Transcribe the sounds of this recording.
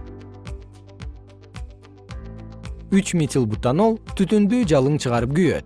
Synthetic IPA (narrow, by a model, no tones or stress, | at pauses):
yt͡ʃmʲit̪ʲilˠbut̪ːɑnolˠt̪ʰyt̪ynd̪yːd͡ʒɑlˠɯɴt͡ʃʰɯʁɑɾɯp̚ɡyjø̰t̪̚